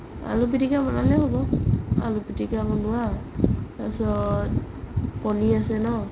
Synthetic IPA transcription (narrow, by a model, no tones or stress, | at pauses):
a̰lup̬itikamɔnalɛhɔbɔa̰lupitikamɔnuwa | asɔ | kɔniasɛnɔ